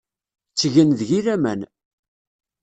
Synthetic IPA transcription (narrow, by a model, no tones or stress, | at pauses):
t͡sːʝənðʝiɾæmæ̰n